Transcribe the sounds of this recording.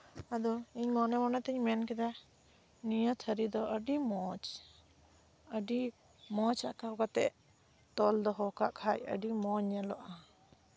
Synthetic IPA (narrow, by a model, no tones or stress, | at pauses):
ad̪ɔiɲmɔnɛmɔnat̪ɛɲmɛnkɛd̪a | nijət̪ʰəɾid̪ɔəɖimɔt͡ʃ | əɖi | mɔt͡ʃa̰ʔkawkat̪ɛʔ | t̪ɔld̪ɔɦɔkaʔkʰajə̰ɖimɔɲalɔʔa